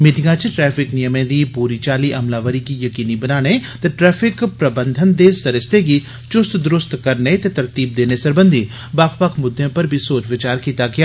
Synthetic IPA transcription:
miːʈɪŋɡãt͡ʃʈɾɛːpʰɪknɪjəmẽːd̪iːpuːɾiːt͡ʃaːliʔɐmlaːʋəɾikijəkiːnibənaːnet̪eʈɾɛːpʰɪkpɾəbə̃nd̪ʱənd̪eːsəɾɪst̪eɡi | t͡ʃʊst̪d̪ʊɾʊst̪kəɾnet̪et̪ɐɾt̪iːb̚d̪eːnesəɾbə̃nd̪ʱi | baːkpəkmʊd̪ʱːjẽpəɾbʱisoːt͡ʃʋɪt͡ʃaːɾkiːt̪aɡɪjaː

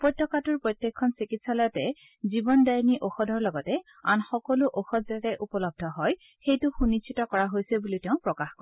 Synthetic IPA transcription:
pɔtːɔkatʊɹpɹɔtjekʰːɔnsikitsalɔjɔtɛ | zibɔndajniʔoxɔdʱɔɹlɔɡɔtɛ | a̰nxɔkɔluʔoxɔtʰzatɛʔupɔlɔb̚dʱɔɦɔj | xejtʊxunit͡ʃʰitɔkɔɹaɦojsɛbulitɛʊ̃pɹɔkaxkɔɹ

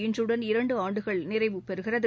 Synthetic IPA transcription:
ɪndrɯɽɐnɪɾɐɳɖɯaːɳɖɯɣɐɭnɪrɐɪʋɯpɛɾɯɣɪrɐðɯ

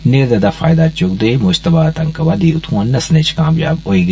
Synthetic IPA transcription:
neːɾd̪ɐd̪afa̰ːjd̪at͡ʃʊkd̪emʊd͡ʒt̪ɐbat̪ɐŋkɐʋad̪iʊt̪ʰũãnːɐsnet͡ʃkaːmjaːboːiɡ

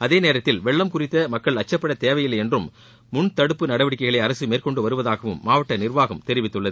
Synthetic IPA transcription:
ɐðeːneːɾɐt̪ːɪlʋɛɭːɐmkʊrɪt̪ːɐmɐkːɐɭɐt͡ʃːɐpːɐɽɐt̪eːʋɐjɪlɛndrɯmː | ʊɳt̪ɐɽɯpːɯnɐɽɐʋɪɽɪk̬ːɐɪɣɐɭɐɪɐɾɐsɯmeːrkɔɳɖɯʋɐɾɯʋɐðaːɣɐʋɯ̰mːaːʋɐʈːɐnɪrʋaːɣɯmt̪ɛɾɪʋɪt̪ːɯɭːɐðɯ

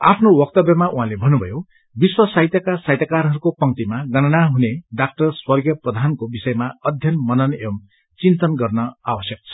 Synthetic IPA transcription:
a̰pʰnowʌk̚t̪ʌbjʌmaʔuɦãlebʱʌnːubʱʌjo | biswʌsait̪jʌkasajt̪jakaɾɦʌɾukopʌŋt̪imaɡʌnʌnaɦuneɖak̚ʈʌrswʌrɡjʌprʌd̪ʱankobisʌjemaʌd̪ʱjʌnmʌnʌnem | t͡sint̪ʌnɡʌrnʌawʌsjʌk̚t͡sʰʌ̥

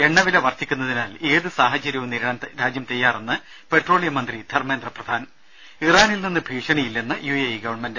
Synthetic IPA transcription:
e̞ɳːɐʋilɐʋɐrt̪ʰːikʲːunːɐðinaːle̞ːðɨsaːɦɐt͡ɕːɐɾjɐʋumniɾɐɳɐnɾaːd͡ʑjɐmt̪ejːaːrenːɨ | pe̞ʈro̞ːɭijɐmɐnd̪rid̪ʱɐrmeːnd̪rɐprɐd̪ʱaːnɐ | iraːnilninːɨbʱiːʂɐɳijilːenːɨjueiɡɐʋɐrɳmend

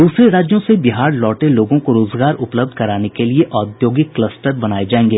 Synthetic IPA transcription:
d̪uːsɾeɾaːd͡ʒjõsebɪɦaːɾlɔːʈeloːɡõkoɾoːzɡaːɾʊpləb̚d̪̚ʱkɐɾaːnekelieʔɔːd̪joːɡɪkːləsʈəɾbɐnaːed͡ʒaːẽːŋɡeː

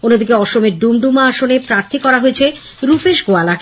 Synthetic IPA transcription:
onːod̪ikeɔʃomeɾɖumɖumaaʃonepɾaɾt̪ʰikɔɾaɦoet͡ɕʰe | ɾufeʃɡoalak

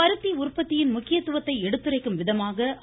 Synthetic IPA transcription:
ɐɾɯt̪ːiʊrpːɐt̪ːɪjɪnmʊkːɪjɐt̪ːɯʋɐt̪ːɐɪɛɽɯt̪ːɯrɐɪkːɯmʋɪðɐmaːɣɐ

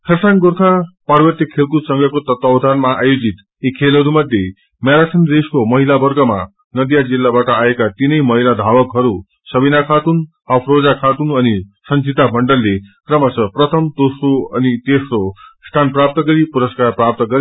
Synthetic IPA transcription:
kʰʌsaŋɡurt̪ʰapaɾbʌrt̪ikʰːelkusʌŋɡʱʌkot̪ʌt̪awd̪ʱanmaajod͡zit̪ | ikʰelɦʌɾumʌd̪ʱje | mjaɾaʈʰʌnɾeskomʌɦilabʌrɡʌma̰ | nʌd̪ijad͡zilːabaʈʌaekat̪inʌjmʌɦilad̪ʱabʌkɦʌɾu | sʌbinakʰat̪un | ʌpʰrod͡zakʰat̪unʌnisʌnsʰit̪abʱʌɳɖʌlːekrʌmasʌprʌt̪ʰʌmt̪osroʌnit̪esrost̪ʰanprap̚t̪ʌɡʌɾipuɾʌskarprap̚t̪ʌɡʌɾi

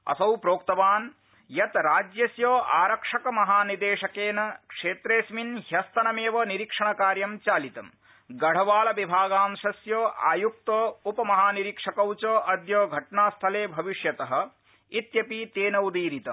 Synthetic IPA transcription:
ɐ̰sɐwpɾoːkt̪ɐʋaːn | jɐt̪ɾaːd͡ʒjɐsjoːʔaːɾɐkʂɐkɐmɐɦaːnid̪eːʂɐkeːnɐkʂeːt̪ɾeːsminɦjɐst̪ʰɐnɐmeːʋɐniɾikʂɐɳɐkaːɾjɐmt͡ʃaːlit̪ɐm | ɡɐɽ̤ɐʋaːlɐʋibʱaːɡaːmʃɐsjoːʔa̰ːjuk̚t̪oːupɐmɐɦaːniɾikʂɐkɐwt͡ʃoːʔɐd̪joːɡʱɐʈɳaːst̪ʰɐleːbʱɐʋiʂjɐt̪ɐɦɐ̆ | it̪jɐpit̪eːnɐwd̪iːɾit̪ɐ

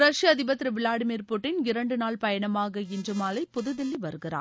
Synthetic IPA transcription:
ɾɐʂjɐːðɪbɐt̪ːɪɾɯʋɪlaːɽɯmiːɾpʊʈːɪnɪɾɐɳɖɯnaːɭpɐjɐɳɐmaːɣɐɪndrɯmaːlɐɪpʊðɯðɪlːiʋɐɾɯɣɪra̰ː

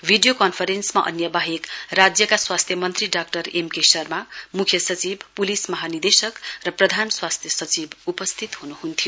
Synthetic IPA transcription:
bʱiɖijokʌnpʰʌɾensmaʔʌ̰njʌbaɦekrad͡zjʌkaswast̪ʰjʌmʌnt̪riɖakʈʌremkesʌrmamukʰjʌsʌt͡sibpulismʌɦanid̪esʌkrʌprʌd̪ʱanswast̪ʰjʌsʌt͡sibupʌst̪ʰit̪hunuhunt̪ʰijo

